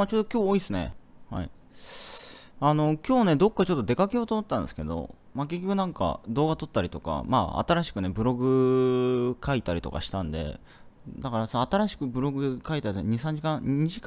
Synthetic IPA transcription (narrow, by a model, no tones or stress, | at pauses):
at͡ɕo̞ːd̪okʲoːoːisɨne̞̰ha̰ḭ | ano̞kʲo̞ːne̞d̪o̞kːat͡ɕo̞t̪ːo̞d̪e̞kakejo̞ːt̪omot̪eːãnd̪esɨ̥ked̪o̞̰ | make̞kʲːo̞kɯ̟nãŋka̰d̪o̞ːɡat̪o̞t̪ːaɾʲit̪o̞ka̰ma̰ːa̰t̪aɾaɕi̥kɯ̟ne̞bɯ̟ɾo̞ɡɯ̟ | kait̪aɾʲit̪o̞̰ka̰ɕi̥t̪ãnd̪e̞̰ | d̪akaɾasonːt̪aɾaɕi̥kɯ̟bɯ̟ɾo̞ɡɯ̟kait̪aɾt̪oɲ̟isãɲ̟d͡ʑikãɲiʑik